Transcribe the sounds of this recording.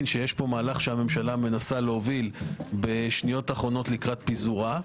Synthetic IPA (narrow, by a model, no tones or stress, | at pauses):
nʃe̞jeʃpo̞maːlaχʃeame̞mʃalame̞nasaleovilbe̞ʃnijo̞taχʁo̞no̞tlikʁat̪̚pizuʁa